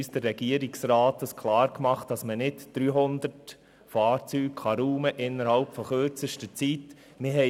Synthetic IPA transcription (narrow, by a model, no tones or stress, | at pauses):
ysd̥ərːɛɡiəɾiksɾaːt̪əskʰlɑːɾkmɑχt̚d̥ɑsmənɪtd̪̥ɾyːɦʊnd̪ət | fɑːɾt͡syːkχɑɾuːməʔɪnːəɾhɑlpfɔχøɾt͡səʃtət͡sit | mɪɦɛ